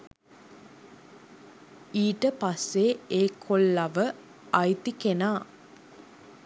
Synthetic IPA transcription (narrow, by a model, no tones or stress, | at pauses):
iːʈəpasːeeːkʰolːɐʋə | ajt̪ikenaː